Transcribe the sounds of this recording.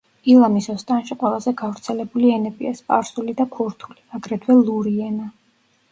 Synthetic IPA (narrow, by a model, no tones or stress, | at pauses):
ilˠamisɔst̪ʼanʃiqʼwɛlˠazɛɡavɾt̪sʰɛlɛbuliɛnɛpʼiɛspʼaɾsulid̪akʰuɾt̪ʰuliaɡɾɛt̪ʰwɛlˠuɾiɛna